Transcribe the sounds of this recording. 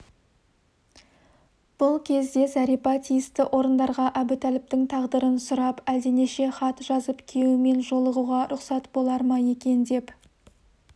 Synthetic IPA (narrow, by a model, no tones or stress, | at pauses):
b̥ʊlˠkʲʰe̞zd̪e̞sɑɾipɑt̪ʰijɪst̪ɪʔo̞ɾənd̪ɑɾʁɑʔæbɪt̪ʰælɪp̚t̪ɪŋt̪ʰɑʁd̪əɾənsʊɾɑpæld̪eneʃe̞χɑt̪ʒɑzəpkʲʰeɪme̞nʒo̞lˠəʁuʁɑɾʊqsɑt̪bo̞lˠɑɾmɑje̞kʲe̞nd̪e̞p